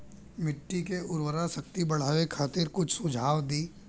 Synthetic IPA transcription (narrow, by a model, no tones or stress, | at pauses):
mɪʈːikeʊɾwəɾasəkt̪ibɐɽ̤aːʋekʰaːt̪ɪɾkʊt͡ʃʰsʊd͡ʒʱaːʋd̪iː